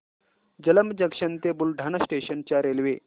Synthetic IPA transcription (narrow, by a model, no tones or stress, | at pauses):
d͡ʑələmd͡ʑəkʂənt̪ebulɖʱanasʈeɕənt͡ɕjaɾelʋe